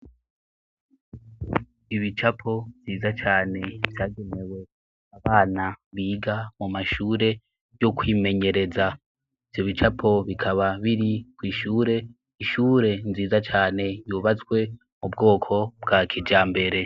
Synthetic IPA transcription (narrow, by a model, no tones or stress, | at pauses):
iβit͡ʃapʰo̞ɱziːzat͡ʃaːne̞vjaːɡe̞ne̞we̞ | aβaːnaβiːɡamumaʃuːɾe̞ | jo̞kwiːme̞ɲe̞ɾe̞za | iv̥jo̞βit͡ʃapʰo̞βikʰaβaβiɾikwiːʃuːɾe̞ | iʃuːɾe̞nziːzat͡ʃaːne̞juːβat͡skwe̞ | mubɡo̞ːkʰo̞bɡaːkʰid͡ʒaːmbe̞ɾe̞